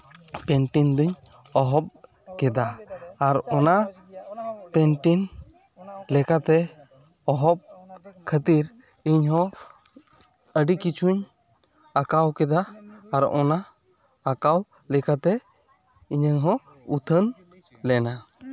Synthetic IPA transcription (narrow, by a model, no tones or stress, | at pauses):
pɛɳʈind̪uɲ | ɔɦɔp̚ | kɛd̪aːɾɔna | pɛnʈin | lɛkat̪ɛ | ɔɦɔp̚kʰət̪iɾ | iɲɦɔ̃ | əɖikit͡ʃʰuɲ | akawkɛd̪aːɾʔɔ̰naː | kaw | lɛkat̪ɛ | iɲəɲɦɔ̃ | ut̪ʰən | lɛna